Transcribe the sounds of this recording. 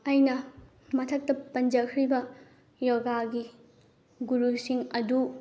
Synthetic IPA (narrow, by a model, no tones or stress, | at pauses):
ɐjnɐ | mɐtʰɐk̚tɐpɐnd͡ʒɐkʰɾibɐ | joɡaɡi | ɡuɾusiŋɐdu